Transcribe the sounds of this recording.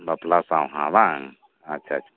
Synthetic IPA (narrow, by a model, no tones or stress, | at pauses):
bɐplasãwɦã̰ʋaŋ | atːt͡ʃʰat͡ʃʰ